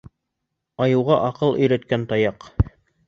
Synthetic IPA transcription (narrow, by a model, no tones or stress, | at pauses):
ɑjɤ̆wʁɑʔɑqɤlˠʔɵ̆jɾæt̪̚kænt̪ɑjɑq